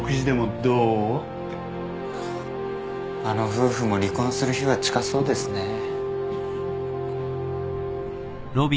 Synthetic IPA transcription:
kɯ̟ʑid̪e̞mod̪oː | ano̞ɸɯ̟ːɸɯ̟mo̞ɾʲikõ̞ɰ̃sɨɾɯ̟çiβat͡ɕi̥kaso̞ːd̪e̞sɨne̞ | ɾo̞bʲi

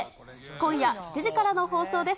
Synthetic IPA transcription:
kõ̞ɰ̃jaɕi̥t͡ɕiʑikaɾano̞ho̞ːso̞ːd̪e̞s

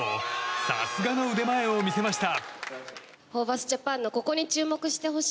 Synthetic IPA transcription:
osa̰sɨɡano̞ɯd̪e̞mae̞o̞mʲise̞maɕi̥t̪a | ho̞ːβasɨ̥d͡ʑapãnːo̞ko̞ko̞ɲ̟it͡ɕɨːmo̞kɯ̟ɕi̥t̪e̞ɦo̞ɕ

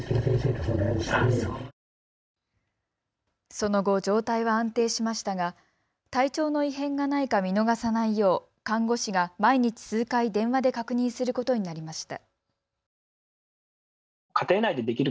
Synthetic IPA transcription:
esẽseːk̪asnai̥ | so̞no̞ɡo̞d͡ʑo̞ːt̪aiβaãnt̪e̞ːɕimaɕi̥t̪aɡa | t̪ait͡ɕo̞ːno̞iɦẽ̞ŋɡanaikamʲino̞ɡasanaijo̞ː | kãŋɡo̞ɕiɡamaiɲ̟it͡ɕi̥sɨːkaid̪ẽ̞ɰ̃βad̪e̞kakɯ̟ɲ̟ĩɰ̃sɨɾɯ̟ko̞t̪o̞ɲ̟inaɾʲimaɕi̥t̪a̰ | kʰat̪e̞ːnaid̪e̞d̪e̞kʲiɾɯ

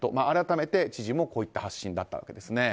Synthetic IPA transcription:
t̪o̞maːɾat̪ame̞t̪e̞t͡ɕiʑimo̞ko̞ːit̪ːahaɕːĩnd̪at̪ːa̰βa̰ke̞d̪e̞sɨne̞

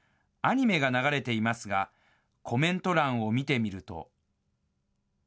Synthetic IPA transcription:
aɲ̟ime̞ɡanaɡaɾe̞t̪e̞imasɨɡa | kʰo̞mẽ̞nt̪o̞ɾãɰ̃o̞mʲit̪e̞mʲiɾɯ̟t̪o̞̰

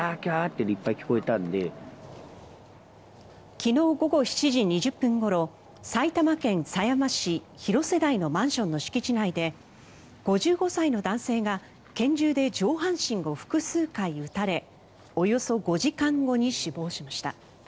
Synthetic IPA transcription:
akʲaːt̪ːed̪ipːaikʲi̥ko̞et̪ãnd̪e̞ | kʲino̞ːɡo̞ɡo̞çi̥t͡ɕiʑiɲ̟iʑɨpːɯ̟̃ŋɡo̞ɾo̞ | sait̪amakẽ̞ɰ̃sajamaɕi | çiɾo̞se̞d̪aino̞mãɰ̃ɕõ̞nːo̞ɕi̥kʲit͡ɕinaid̪e̞ | ɡ̥o̞ʑɨːɡo̞saino̞d̪ãɰ̃se̞ːɡa | kẽ̞ɲ̟d͡ʑɨːd̪e̞d͡ʑo̞ːɦãɰ̃ɕĩŋɡo̞ɸɯ̟̥kɯ̟sɨːkaiɯ̟t̪aɾe̞ | o̞jo̞so̞ɡo̞ʑikãŋɡo̞ɲ̟iɕibo̞ːɕimaɕi̥t̪a̰

